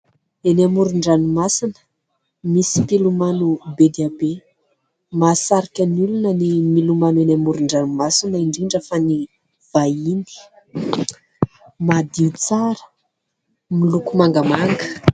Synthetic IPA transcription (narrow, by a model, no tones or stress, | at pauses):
enamuɾuɳɖ͡ʐanumasinə̥ | misipilumanubed̪eabe | masaɾikʲənulunənimilumanuenamuɾuɳɖ͡ʐanumasinəiɳɖ͡ʐiɳɖ͡ʐəfani | v̥aini̥ | mad̪it͡saɾə̥ | milukumaŋɡəmaŋɡə